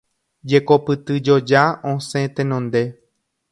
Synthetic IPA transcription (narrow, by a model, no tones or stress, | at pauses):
d͡ʒe̞kopɨt̪ɨd͡ʒo̞d͡ʒaõsẽt̪ẽnõnd̪e̞